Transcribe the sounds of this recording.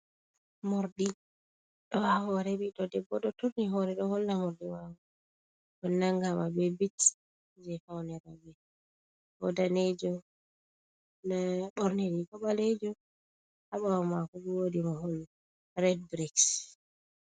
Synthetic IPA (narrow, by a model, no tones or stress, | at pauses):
mɔɾɗi | ɗɔhahɔɾɛɓiɗɔdɛbːɔɗɔtuɾniɦɔɾɛɗɔhɔlːamɔɾdimahɔ | ɔnaŋɡamabɛbit | d͡ʒɛfawnɛɾabɛ | wɔ̰daned͡ʒɔ | naɓɔɾniɾikɔɓaled͡ʒɔ | haɓawamakɔbuwodimahɔlːa | rɛd̚bɾiks